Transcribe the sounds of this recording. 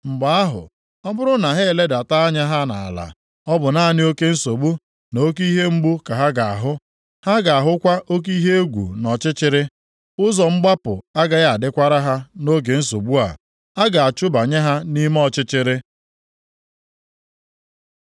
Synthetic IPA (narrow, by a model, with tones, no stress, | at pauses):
ŋ͡m̩˨ɡ͡ba˨a˦ɦʊ̰˨ | ɔ˦bʊ˦ɾʊ˦na˨ɦe˦˨le˦da˨ta˦ɲa˦ɦa˦na̰˨a̰˨la̰˨ | ɔ˦bʊ˨na˦a˨nɪ˦o˦ke˦n̩˦so˨bu˦ | no˦k̬i˦ɦe˦ŋ͡m̩˦ɡ͡bu˦ka˨ɦa˦ɡa˨a˨ɦʊ˦ | ha˦ɡa˨a˨ɦʊ˦kʷa˦ʔo˦k̬i˦ɦe˦e˦ɡʷṵ˨nɔ˨t͡ʃɪ˦t͡ʃɪ˦ɾɪ˦ | ʊ˦zɔ˨ŋ͡m̩˦ɡ͡ba˦pʊ̰˨a˦ɡa˦ja˨a˨dɪ˦kʷa˦ɾa˦ɦa˦no˦ɡe˨n̩˦so˨bu˦a̰˨ | a˦ɡa˨a˨t͡ʃʊ˦ba˨ɲe˦ɦa˦ni˦m˦ɔ˨t͡ʃɪ˦t͡ʃɪ˦ɾɪ˦